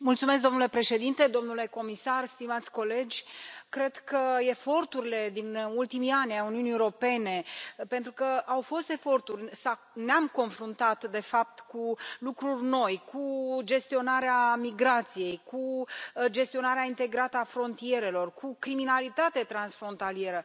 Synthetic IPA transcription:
mult̪sumesk̚d̪o̞mnule̞pɾe̞ʃe̞d̪int̪e̞d̪o̞mnule̞ko̞misarst̪imat̪sʲko̞le̞d͡ʒʲkɾe̞d̪̥kəe̞fo̞rt̪uɾile̞d̪inult̪imijanʲajuniuniewoɾo̞pe̞ne̞pe̞nt̪ɾukəawfo̞st̪e̞fo̞rt̪urʲsa | neamko̞nfɾunt̪at̪d̪e̞fap̚t̪kulukɾurʲno̞jkʰud͡ʒe̞st̪io̞naɾeamiɡɾat̪sije̞jkud͡ʒe̞st̪io̞naɾeaint̪e̞ɡɾat̪əafɾo̞nt̪ie̞ɾe̞lo̞rkʰukɾiminalit̪at̪e̞t̪ɾansfɾo̞nt̪alie̞ɾə

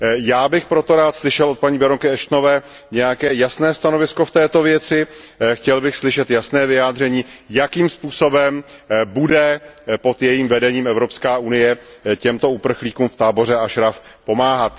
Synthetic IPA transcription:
jaːbɪxpɾo̞t̪o̞ɾaːt̪slɪʃɛlot̪paɲiːbɛɾoŋkɪɛʃt̪no̞vɛː | ɲɛjakɛːjasnɛːst̪ano̞vɪsko̞ft̪ɛːt̪ovjɛt͡sɪxcɛlbɪxslɪʃɛt̪jasnɛːvɪjaːd̪r̝ɛɲiːjakiːmspuːso̞bɛmbudɛpo̞t̪jɛjiːmvɛdɛɲiːmɛvɾo̞pskaːunɪjɛcɛmt̪o̞upr̩xliːkuːmft̪aːbo̞rɛaʃɾafpo̞maːɦat̪

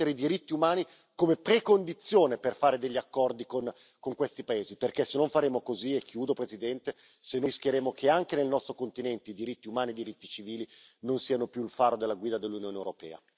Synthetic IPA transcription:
eɾeid̪iɾit̪ːiumaːni | komepɾekond̪it̪sːjoːneperfaːɾed̪eʎːiakːɔrd̪ikon | koŋkwest̪ipaeːziperkesenːoɱfaɾeːmokoziekʰːjuːd̪opɾezid̪ɛnt̪e | senoskjeɾeːmokeaŋk̟enelnɔst̪ɾokont̪inɛnt̪eid̪iɾit̪ːiumaːnid̪iɾit̪ːit͡ʃiviːlinonsiːanopjuilfaːɾod̪elːaɡwiːd̪ad̪elːunjoːnewɾopɛ̰ːa̰

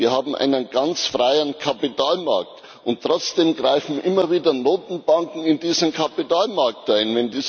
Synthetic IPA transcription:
viːɐhaːbm̩ʔa̰ɪnənɡ̥ant͡sfʁaɪənkʰapitaːlma̰ɐkt | ʔʊntʰːʁ̥ɔt͡sd̥eːmɡʁaɪfn̩ʔɪmɐviːdɐnoːtn̩b̥aŋkŋ̩ɪndiːzəmkʰapitaːlmaɐktʔaɪnvɛndiː

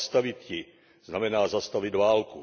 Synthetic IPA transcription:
st̪avɪt̪cɪ | z̥namɛnaːzast̪avɪd̪vaːlku

